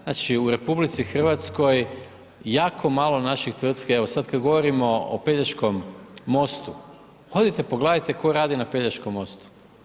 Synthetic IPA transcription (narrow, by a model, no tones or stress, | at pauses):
znat͡ʃiuɾe̞publit̪sixr̩ʋat̪sko̞j | jaːkʰo̞maːlˠonaʃixt̪ʋr̩t̪keeʋosad̪kad̪ɡo̞ʋo̞ɾimo̞o̰peʎat͡ʃko̞mːo̞st̪u | xo̞d̪it̪epoɡlaːd̪ajt̪eko̞ɾaːd̪inapeʎaʃkomːo̞st̪u̥